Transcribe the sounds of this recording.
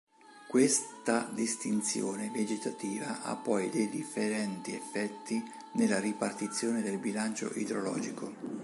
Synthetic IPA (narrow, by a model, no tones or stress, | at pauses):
kwest̪ad̪ist̪int̪sjoːneved͡ʒet̪at̪iːvaʔa̰pːɔjd̪ejd̪ifːeɾɛnt̪iefːɛt̪ːi | nelːaripart̪it̪sːjoːned̪elbilant͡ʃo̰ʔḭd̪ɾolɔ̰ːd͡ʒiko